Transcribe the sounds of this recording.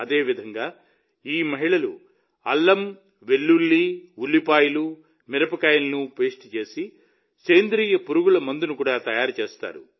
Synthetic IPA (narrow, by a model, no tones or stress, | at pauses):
ɐd̪e̞ːʋid̪ʱɐŋɡaː | iːmɐɦiɭɐlṵ | ɐlːɐm | ʋe̞lːulːiulːipaːjɐlu | miɾɐpɐkaːjɐnɐnupeːsʈt͡ʃe̞ːsi | keːnd̪ɾiːjɐpuɾuɡulɐmɐnd̪unukuːɽaːt̪ɐjaːɾut͡ʃeːst̪a̰ːɾṵ